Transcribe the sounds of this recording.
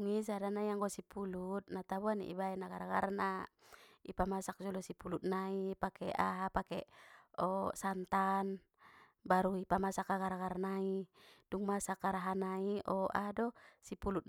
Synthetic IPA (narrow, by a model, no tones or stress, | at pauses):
ŋis̬adanajaŋɡɔsipulut̪̚nat̪abuanḭʔḭbaɛnaɡaɾaɡa̰rna | ipamasak̚d͡ʒɔlɔsipulut̪̚naipakɛa̰ɦapakɛɔsant̪an | baɾuipamasakaɡaɾaɡarnaid̥uŋmasakːaɾaɦanaiɔʔa̰adɔsipulut̪̚